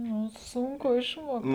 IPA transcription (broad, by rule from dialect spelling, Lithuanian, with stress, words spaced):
ˈnʊ sʊŋˈkʊ ɪʃmuɔkt